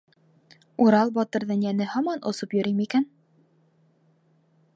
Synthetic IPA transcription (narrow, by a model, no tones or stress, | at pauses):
uɾɑlˠbɒt̪ɤ̆ɾðɤɴjænɘhɒmɑnʔŏ̰sopjɵ̆ɾimikæn